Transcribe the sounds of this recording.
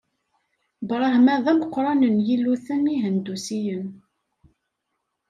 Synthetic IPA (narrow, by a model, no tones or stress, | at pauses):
bɾˤɑhmæðæməqːɾˤɑnənjilːuθəniɦənd̪usijən